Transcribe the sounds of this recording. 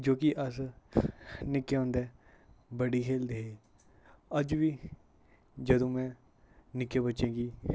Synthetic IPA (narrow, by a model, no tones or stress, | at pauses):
d͡ʒoːkɪʔəs | nɪkːeːɔ̃ːnd̪ɛː | bəɖiːkʰeːld̪eːɦeː | əd͡ʒʋiː | d͡ʒəd̪õːmɛ̃ː | nɪkːeːbətːʃẽːɡiː